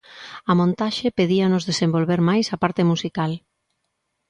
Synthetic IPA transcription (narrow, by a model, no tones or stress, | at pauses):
ɐmõnt̪aʃepeðiɐnʊzðesembolβeɾmajsapaɾt̪ɪmusikal